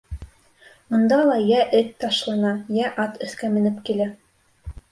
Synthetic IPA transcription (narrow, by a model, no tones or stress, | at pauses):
ŭnd̪ɑlˠɑjæʔɘt̪ːɑʃlˠɑnɑjæʔɑt̪ɘ̆θkæmɘ̆nɘpkilæ